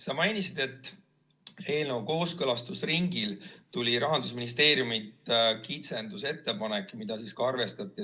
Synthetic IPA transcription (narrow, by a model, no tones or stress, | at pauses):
sɑmɑjnisid̪̥e̞t̪ːˑ | e̞ːlnowko̞ːskɤ̞lɑst̪usriŋɡilt̪ulʲiɾɑɦɑnd̪̥usminis̬t̪e̞ːɾjumit̪ːkit̪se̞nd̪use̞t̪ːe̞pɑnekːˑmid̪̥ɑsiːskɑɑrve̞st̪ɑt̪ʲːˑi